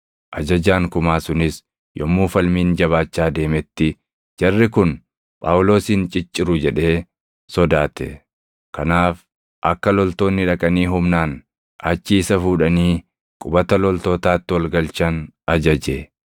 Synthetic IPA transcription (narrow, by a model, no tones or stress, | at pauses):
ʔɐd͡ʒɐd͡ʒaːŋkʊmaːsʊnɪs | jɔmːuːfɐlmiːnd͡ʒɐβaːt͡ʃːaːd̪e̞ːmɛt̪ːɪ | d͡ʒɐrːɪkʊn | pʼaːwʊlo̞ːsiːnt͡ʃʼɪt͡ʃʼːɪɾʊd͡ʒɛᶑe̞ː | sɔd̪aːt̪ɛ̰ | kɐnaːf | ʔɐkːɐlɔlt̪o̞ːnːɪᶑɐkʼɐniːɦʊmnaːn | ʔɐt͡ʃːiːsɐfuːᶑɐniː | kʼʊbɐt̪ɐlɔlt̪oːt̪aːt̪ːɪwɐlɡɐlt͡ʃɐnɐd͡ʒɐd͡ʒeː